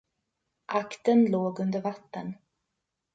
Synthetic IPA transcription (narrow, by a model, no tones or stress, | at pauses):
ʔakt̪ənloːɡɵnd̪əɾvat̪ːə̰n